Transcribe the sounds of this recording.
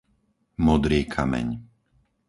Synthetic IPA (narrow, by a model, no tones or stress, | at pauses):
mɔd̪ɾiːkʰamɛ̰ɲ